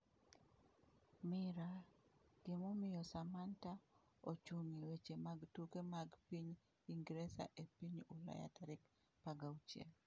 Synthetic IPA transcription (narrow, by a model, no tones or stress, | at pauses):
mɪɾad̥emomɪjɔsamanta | ot͡ʃuŋiwet͡ʃemaɡtukemaɡpiɲ | iŋɡɾesa̰ʔepiɲʊla̰ja̰taɾɪk | paɡawt͡ʃɛ̰l